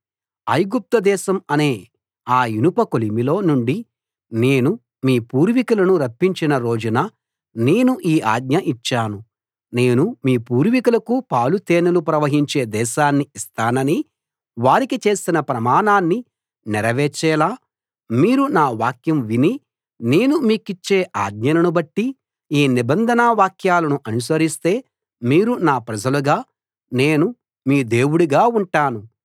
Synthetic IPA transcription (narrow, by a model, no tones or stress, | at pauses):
ɐjɡup̚t̪ɐd̪ɛːʃɐmɐne̞ː | aːinupɐkolimilo̞ːnuɳɖi | ne̞ːnu | miːpuːɾʋikulɐnuɾɐpːiɲt͡ʃinɐɾo̞ːd͡ʒunɐ | ne̞ːnuʔiːʔa̰ːɡ̚ɲɐʔit͡ʃːaːnu | ne̞ːnumiːpuːɾʋikulɐkupaːlut̪eːnɐlupɾɐʋɐɦiɲt͡ʃe̞ːd̪ɛːʃaːnːiist̪aːnɐni | ʋaːɾikit͡ʃe̞ːsinɐpɾɐmaːnaːnːi | niɾɐʋɛːt͡ʃɛːlaː | miːɾunaːʋaːkjɐmʋini | ne̞ːnumiːkit͡ʃːe̞ːʔaːɡ̚ɲɐnɐnubɐʈːi | iːnibɐnd̪ʱɐnaʋaːkjaːlɐnuʔɐnus̬ɐɾist̪e̞ː | miːɾunaːpɾɐd͡ʒɐluɡaː | ne̞ːnu | miːd̪e̞ːwuɽuɡaːuɳʈaːnu